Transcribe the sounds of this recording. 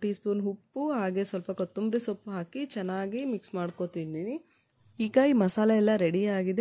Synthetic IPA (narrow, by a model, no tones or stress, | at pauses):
ʈiːspuːnɦupːuɦaːɡe̞sʋɐlpɐkɐt̪umbɾesopːɦaːkit͡ʃɛnːaːɡimiksmaːɖko̞t̪iːnini | iːɡaimɐsaːlɐɛlːɐɾeɽiaːɡid̪e